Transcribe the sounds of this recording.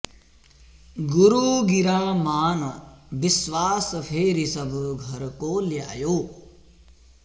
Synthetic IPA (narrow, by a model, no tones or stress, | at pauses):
ɡuɾuːɡiɾaːmaːnbiswaːspʰeːɾisɐbʱɡʱɐɾkoːlja̰ːjoː